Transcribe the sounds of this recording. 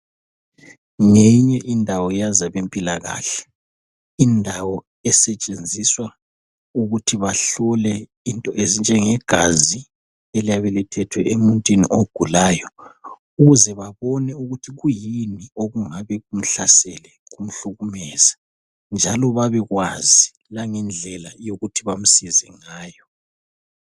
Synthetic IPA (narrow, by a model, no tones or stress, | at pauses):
ŋeɲɛʔindʱawɔjazaβempʼilaɣa̰ːɬɛ̥ | indʱawɔ | ɛsɛt͡ʃʼend͡zʱiswa | uɣutʰiβaɬɔlɛ | intʼɔʔezind͡ʒʱɛŋɛɡ̥ʱazi | elijaβɛlɛtʰɛtʰwɛemuntʼwinḭʔoɡ̥ʱulaːjɔ | uɣuzɛβaβɔnɛuɣutʰiɣujinioɣuŋaβɛɣum̩ɬasɛlɛ | ɣum̩ɬuɣumɛːz̥a | nd͡ʒʱalɔβaβɛɣwazi | laŋɛnd͡ɮʱɛlajoɣutʰiβam̩sizɛ̰ŋaːjɔ